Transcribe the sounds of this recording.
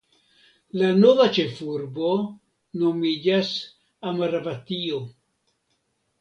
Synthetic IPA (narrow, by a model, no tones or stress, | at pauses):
lano̞vat͡ʃe̞fuɾbo̞ | no̞mid͡ʒas | amaɾavat̪io